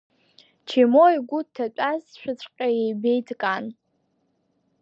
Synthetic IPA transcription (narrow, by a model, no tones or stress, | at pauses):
t͡ʃʰemojɡʷʊtʰːat͡ʃʷʼazʃʷᶣat͡sʷʰʼqʲʼajejbe̞jtʰʼkʼan